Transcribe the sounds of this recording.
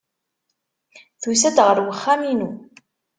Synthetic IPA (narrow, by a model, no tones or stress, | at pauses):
θusæd̪ʁəɾwəχːæminu